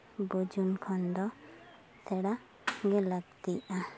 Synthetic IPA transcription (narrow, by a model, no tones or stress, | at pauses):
bud͡ʒunkʰɔnd̪ɔ | sʰɛɽa | ɡɛlaɡ̚t̪ija